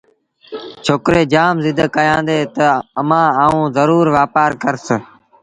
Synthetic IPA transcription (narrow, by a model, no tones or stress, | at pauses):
t͡ʃʰoːkɾeːd͡ʒaːmzɪd̪ʱkəjãːnd̪eːt̪əəmãːaːũːzəɾuːɾʋaːpaːɾkəɾsə